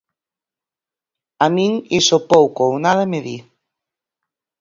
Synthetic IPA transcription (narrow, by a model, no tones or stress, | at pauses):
amĩŋisopowkownaðɐmɪði